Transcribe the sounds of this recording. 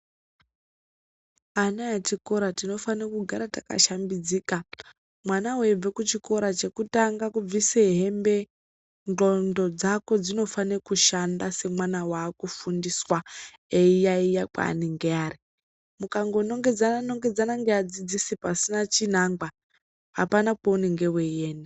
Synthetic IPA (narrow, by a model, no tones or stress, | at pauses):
anaat͡ʃiko̞ɾatino̞fanikuɡʱaɾataka̰ʃambid͡ziːka | mwanaweb͡vekut͡ʃiko̞ɾat͡ʃe̞kutaŋɡakub͡viseɦe̞mbe̞ | nd͡ɮo̞ndo̞d͡zako̞d͡zino̞fanekuʃandase̞mwanawaːkufundiswa | eijaijakwa̰niŋɡeaːri | mukaŋɡono̞ŋɡe̞d͡zananoŋɡe̞d͡zanaŋɡead͡zid͡zisipasinat͡ʃin̤aŋɡwa | ɦapanapouneŋɡe̞wejeːne